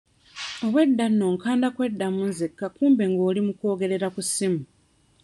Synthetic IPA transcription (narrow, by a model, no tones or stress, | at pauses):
o̞βwe̞dːanːo̞ːŋkaːndakwe̞dːamunzekːakuːmbe̞ŋɡo̞ːlimuko̞ːɡe̞ɾe̞ɾakusimu